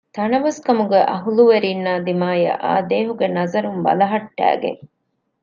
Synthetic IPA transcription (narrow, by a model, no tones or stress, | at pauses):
t̪ɐnɐʋɐskɐmuɡeʔɐɦuluʋeɾiːnːaːd̪imaːjɐ̰ʔa̰ːd̪eːɦuɡenɐzɐɾumbɐ̰lɐɦɐʈːæ̰ːɡḛŋ